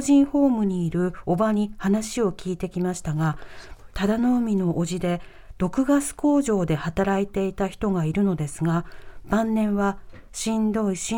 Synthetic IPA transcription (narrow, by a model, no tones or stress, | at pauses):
ʑĩɰ̃ho̞ːmɯ̟ɲ̟iːɾɯ̟o̞baɲ̟ihanaɕio̞kʲiːt̪e̞kʲimaɕi̥t̪aɡat̪ad̪ano̞mʲino̞ʔːʑid̪e̞ | d̪̥o̞kɯ̟ɡat͡sɨ̥ko̞ːʑo̞ːd̪e̞hat̪aɾait̪e̞it̪açi̥t̪o̞ɡaiɾɯ̟no̞d̪e̞sɨɡab̥ãnːẽ̞ɰ̃βa | ɕĩnd̪o̞iɕ